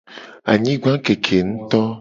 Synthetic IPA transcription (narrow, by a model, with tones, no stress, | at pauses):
a̰˨ɲĩ˦ɡã˦ke˨kʰe˨ŋũ˦t̪ɔ˦